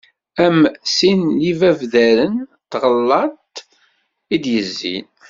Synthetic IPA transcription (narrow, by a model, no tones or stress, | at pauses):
æmsinlivævðæɾənt̪ːʁəlːɑt̪ | id̪jəzːḭn